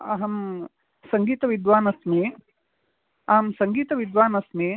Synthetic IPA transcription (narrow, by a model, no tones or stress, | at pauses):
ɐɦɐm | sɐŋɡiːt̪ɐʋid̪ʋaːnɐsmi | ɐɦɐmsɐŋɡiːt̪ɐʋid̪ʋaːnɐsmi